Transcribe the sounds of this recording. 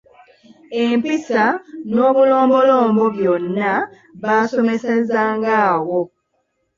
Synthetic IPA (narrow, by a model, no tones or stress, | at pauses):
empisano̞ːβulo̞ːmbo̞lo̞ːmbo̞βjonːa | βaːso̞me̞sezaːŋɡaːwo̞